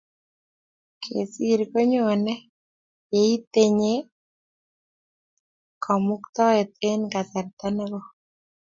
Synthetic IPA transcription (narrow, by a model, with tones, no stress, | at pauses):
kʰḛ˨siɾko˦ɲo˨nɛ˦ | je˨i˦t̪e˦ɲe˦ | kʰɔ˨mʊ˦kt̪ɔ˦ɛ˨t̪̚e˦nka˨ta˨ɾt̪a˦nɛ˦ɣo˦